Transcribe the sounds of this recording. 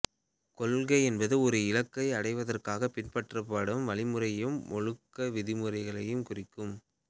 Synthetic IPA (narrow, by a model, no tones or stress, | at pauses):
kɔlɣɐɪɛnbɐðɯɔɾɯɪlɐkːɐɪɐɽɐɪʋɐðɐrkaːɣɐpɪnpɐʈrɐpːaːɽɯmʋɐɭɪmɯrɐjɯmːɔɻɯkːɐʋɪðɪmɯrɐɪɣɐɭɐjɯmkʊrɪkːɯm